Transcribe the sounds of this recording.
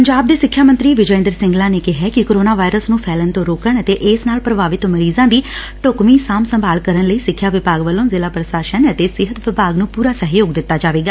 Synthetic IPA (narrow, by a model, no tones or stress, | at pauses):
pəɲd͡ʒaːb̚d̪eːsɪkʰːjaːmə̃nt̪ɾiːʋɪd͡ʒəːɪ̃nd̪əɾsɪ̃ŋɡlãːneːkɪɦɛːkɪkoːɾoːnaːʋaːɪɾəsnũːpʰɛːlənt̪õːɾoːkəɳət̪eːʔɪːsnaːlpɾəbaːʋɪt̪məɾiːzãːd̪iː | ʈokmiːsaːmsəmbʱaːlkəɾənləiːsɪkʰːjaːʋɪpaːɡʋəlːõːzɪlaːpɾəsaːʃənət̪eːsɪɦət̪ʋɪpaːɡnũːpuːɾaːsəɦjoːɡd̪ɪt̪ːaːd͡ʒaːʋeːɡaː